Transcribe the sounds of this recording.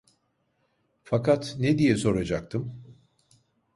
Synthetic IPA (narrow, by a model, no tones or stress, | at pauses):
fakʰat̪ned̪ijɛso̞ɾad͡ʒak̚t̪ʰɯm